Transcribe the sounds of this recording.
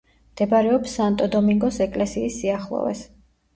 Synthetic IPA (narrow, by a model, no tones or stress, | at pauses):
md̪̥ɛbaɾɛɔpsant̪ʼɔd̪ɔmiŋɡɔsɛkʼlɛsiːsːiaχlˠɔ̰vɛ̰s